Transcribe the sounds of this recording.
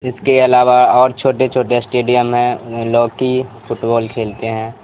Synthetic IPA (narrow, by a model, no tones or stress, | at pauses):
ɪskeɐlaːʋaɔːɾt͡ʃʰoːʈet͡ʃʰoːʈesʈeːɖijəmɦɛ̃loːɡkifʰʊʈbɔːlkʰeːlt̪eɦɛ̃ː